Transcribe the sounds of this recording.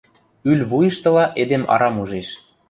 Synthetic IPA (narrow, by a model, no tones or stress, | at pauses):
ylʲβujə̆ʃt̪ɤ̆lɑʔed̪emɑ̰ɾɑmuʒeʃ